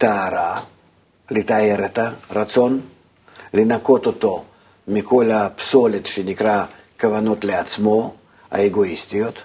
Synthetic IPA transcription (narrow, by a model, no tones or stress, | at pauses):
t̪ɐːɾa | lɪt̪aeɾɛt̪ɐrat̪so̞n | lɪnako̞t̪ot̪o̞ | mʲɪko̞lapso̞lʲet̪ʃenʲɪkɾa | kɐvano̞t̪lʲɪat̪smo̞ | ɐ̰eɡoist̪ʲijot̪